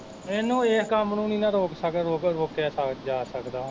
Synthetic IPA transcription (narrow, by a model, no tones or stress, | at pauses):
eːnũːeːskəmnũːnĩːnãːɾoːksəkɾoːɾoːkɛːsəd͡ʒaːsəkd̪aː